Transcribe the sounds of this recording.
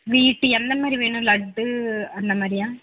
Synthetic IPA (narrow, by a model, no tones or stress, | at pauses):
ʋiːʈːɯɛnd̪ɐmaːd̪ɾiʋeːɳɯ̃lɐɖːɯɐnd̪ɐmaːd̪ɾɪjãː